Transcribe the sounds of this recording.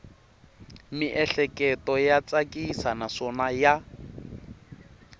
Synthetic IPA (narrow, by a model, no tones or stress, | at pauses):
miʔɛɬɛkʼɛtɔjat͡sʼakʼisanasɔnaja